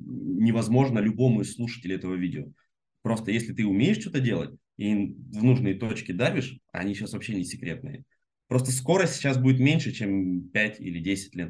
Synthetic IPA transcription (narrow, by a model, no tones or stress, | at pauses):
nʲɪvɐzmo̞ʐnəlʲʊbo̞mʊɪslˠuʂə̥tʲɪlʲʊɛt̪əvəvʲidʲɪo | pɾo̞st̪əjesʲlʲɪt̪ɨʊmʲejɪʂt͡ɕo̞t̪ədʲe̞lˠə̰t̚ʲ | ivnuʐnəjt̪ot͡ɕkʲɪd̪avʲɪʂɐ̰nʲiɕasvɐpɕːenʲɪsʲɪkɾʲe̞t̪̚nɨ̰jə̰ | pɾo̞st̪əsko̞ɾəsʲtʲɕasbudʲɪt̪mʲenʲʂɨt͡ɕempʲætʲḭlʲɪdʲesʲɪ̥t̚ʲlʲet̪̚